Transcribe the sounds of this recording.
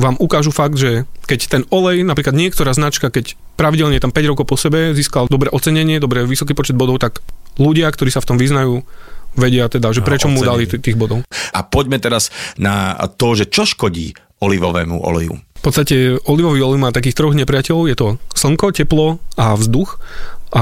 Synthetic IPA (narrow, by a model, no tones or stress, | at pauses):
ʋaːmʔukaːʒufaɡ̚d̪ʒɛkɛct̪ɛnɔlɛjnapɾiːklad̪ɲɪɛk̚t̪ɔɾaːznat͡ʃkakɛc | pɾaʋiɟɛlɲɛt̪ampɛɟɾɔkɔʊpɔsɛbɛziːskald̪ɔbɾɛːʔɔt͡sɛɲɛɲɪɛd̪ɔbɾɛʋisɔkiːpɔt͡ʃɛd̪bɔd̪ɔʊt̪aɡluɟɪakt̪ɔɾiːsaft̪ɔmʋiznajuːʋɛɟɪat̪ɛd̪aʒɛpɾɛt͡ʃɔmud̪alit̪iːɣbɔd̪ɔʊʔa̰pɔɟmɛt̪ɛɾazna̰t̪ɔʒɛt͡ʃɔʃkɔɟḭː | ɔliʋɔʋɛ̰ːmṵʔɔ̰lɛ̰jṵfpɔt̪st̪acɛɔliʋɔʋiːɔlɛjmaːt̪akiːxt̪ɾɔɣɲɛpɾɪacɛlɔʊjɛt̪ɔsl̩ŋkɔcɛplɔavzd̪uxʔa